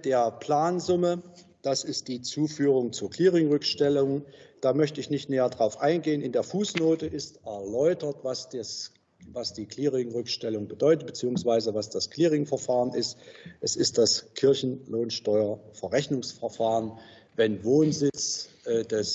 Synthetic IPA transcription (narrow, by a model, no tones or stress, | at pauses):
d̥eːɐpʰl̥aːnzʊmə | d̥asɪst̚d̥iːt͡suːfyːʁ̞ʊŋt͡suːɐkl̥iːʁɪŋʁʏkʃtɛlʊŋd̥aːmœçtəɪçnɪçtnɛːɐdʁaʊfʔaɪnɡeːənɪndeːɐfuːsnoːtəʔɪstʔɛɐlɔʏtɐtvasdɛs | vasd̥iːkʰl̥iːʁɪŋʁʏkʃtɛlʊŋbədɔʏtət̚b̥ət͡siːʊŋsv̥aɪzəvasd̥askʰl̥iːʁɪŋfɛɐfaːʁənɪstʔɛsɪst̚d̥askʰɪɐçn̩loːnʃtɔʏɐfɛɐʁɛçnʊŋsfɛɐfaːʁən | vɛnvoːnzɪt͡sʔdɛs